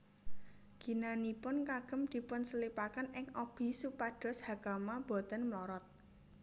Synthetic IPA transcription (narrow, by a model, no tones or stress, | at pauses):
ɡ̥i̤nanipʊnkaɡ̥ə̤md̪̥i̤pʊnsəlipakanɪŋɔb̥i̤supaɖ̥ɔ̤shakamab̥ɔ̤t̪ənmlɔɾɔt̪̚